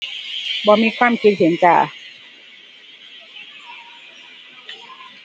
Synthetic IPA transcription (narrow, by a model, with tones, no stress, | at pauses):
bɔː˧˦miː˧˥kʰwaː˧˥˨mkʰi˧t̪̚hi˨˩˦nt͡ɕa̰ː˨˩